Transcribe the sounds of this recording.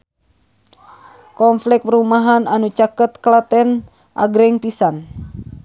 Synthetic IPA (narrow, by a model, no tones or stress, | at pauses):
kɔmflɛk̚pɾumaɦananut͡ʃakət̪̚klat̪ɛn | ʔa̰ɡɾɛŋpisan